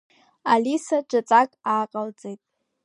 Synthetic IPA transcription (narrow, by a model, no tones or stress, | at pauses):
alisaʈ͡ʂʷʼat͡sʼakʼaːqʼalt͡sʼejtʼ